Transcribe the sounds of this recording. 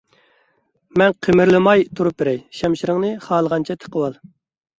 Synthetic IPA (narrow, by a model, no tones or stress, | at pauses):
mɛnqʰəmɪɾlɨmɑjt̪ʰuɾup̚bɪɾɛjʃɛmʃiɾɪŋnɨχɑːlˠəʁɑnt͡ʃʰɛt̪ʰə̥qʰəwɑlˠ